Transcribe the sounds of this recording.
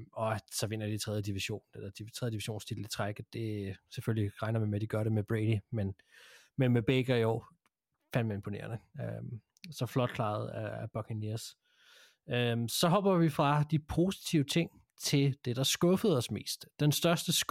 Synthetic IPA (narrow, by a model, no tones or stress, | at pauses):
ɒ̽sɒ̽ʋe̝n̰ɐd̥it͡sʰʁɛð̞ˠjəd̥iʋiɕo̝̰ːnd̥e̥d̥it͡sʰʁɛðˠəd̥iʋiɕo̝̰ːnst͡sʰid̥l̩i̥t͡sʰʁaɡ̥̩d̥e̝seføliʁɑ̈ɪnɐʋimed̥iɡ̥ɶɐɾe̝meb̥ʁed̥imen | menmeb̥eɡ̥ɐjoʊ | fænd̥mæne̝mpʰo̝ne̝̰ːɐnəøm | sɒ̽flɒ̽d̥̚kʰlɑ̈ːð̞̩ˠææb̥ɒkʰiniɐs | ømsɒ̽ɦɒ̽b̥ɐʋifʁɑ̈d̥ipʰo̝si̥t͡sʰiʊət͡sʰe̝ŋ̰ | t͡sʰe̝ld̥e̝d̥ɑ̈sɡ̥ɔ̽fəð̞̩ˠɒ̽sme̝̰ːsd̥ːensd̥ɶɐsd̥əs